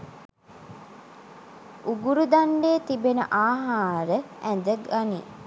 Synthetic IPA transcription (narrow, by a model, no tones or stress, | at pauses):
uɡuɾud̪aɳɖeːt̪ibenəʔaːɦaːɾəænd̪əɡani